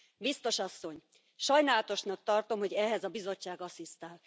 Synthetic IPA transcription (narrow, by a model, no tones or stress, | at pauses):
bist̪o̞ʃɒsːo̞ɲ | ʃɒjnaːlɒt̪o̞ʃnɒk̚t̪ɒrt̪o̞mho̞ɟɛɦɛzɒbizo̞t͡ʃːaːɡɒsist̪aːl